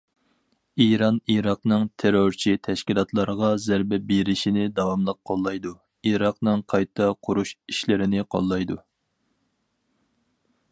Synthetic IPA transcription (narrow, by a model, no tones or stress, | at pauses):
iɾɑniɾɑqnɨŋt̪ʰeɾoɾt͡ʃʰit̪ʰɛʃkʲilˠɑt̪ʰlˠɑɾəʁɑzæɾbɛbeɾɪʃinɪd̪ɑwɑmlˠəqʰːolˠːɑjd̪u | iɾɑqnɨŋqʰɑjt̪ʰɑqʰʊɾuʃiʃlɪɾɪnɪqʰo̰lˠːɑjd̪u